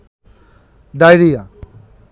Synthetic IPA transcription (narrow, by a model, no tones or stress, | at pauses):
ɖajɾija